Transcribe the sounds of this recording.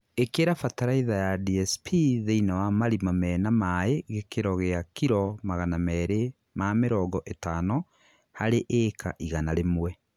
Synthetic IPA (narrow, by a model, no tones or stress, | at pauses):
ekeɾafataɾaiðajadiɛspʰiðeinawamaɾimamɛnamaeɣekeɾɔɣeakiɾɔmaɣanamɛɾe | mameɾɔɡɔʔetaːnɔ | haɾeʔeːka̰ʔiɣanaɾemwɛ